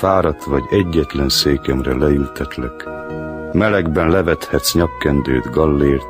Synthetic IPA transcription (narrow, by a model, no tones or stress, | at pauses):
faːɾɒt̪ʋɒɟɛɟːɛt̪lɛnseːkɛmrɛlɛylt̪ʰɛt̪lɛk | mɛlɛɡbɛnlɛvɛt̪hɛt̪sɲɒkːɛnd̪øːd̪ɡɒlːeːrt̪